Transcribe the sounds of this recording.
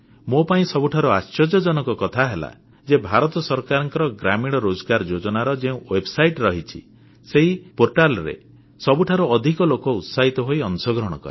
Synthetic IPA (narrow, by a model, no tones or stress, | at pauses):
mopaĩsɔbuʈʰaɾuast͡ʃɔd͡ʒɔd͡ʒɔnɔkɔkɔt̪ʰaɦela̰ | d͡ʒebʱaɾɔt̪ɔsɔɾkaɾɔŋkɔɾɔɡɾamiɽ̃ɔɾod͡ʒɔɡaɾɔd͡ʒod͡ʒɔnaɾɔd͡ʒeũwebsajʈɾɔɦit͡ʃʰḭ | seɦipoɾʈalɔɾḛ | sɔbuʈʰaɾuɔd̪ʱikɔlokɔut̪saɦit̪ɔɦojɔnsɔɡɾɔɽ̃ɔ̰kɔ̰ɾe